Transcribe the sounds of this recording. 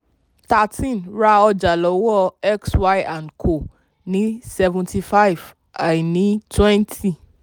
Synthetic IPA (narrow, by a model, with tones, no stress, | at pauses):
ta˨tĩ˦˨nɾa˧ɔ˧d͡ʒa˨lɔ˨˦wɔ˦ɛ˦kswa˦jã˨nkʰo˨ | nĩ˦sɛ˧vũ˨nti˧fa˦i˨v | a˨i˨nĩ˨˦twɛ̃˦ntʰi˦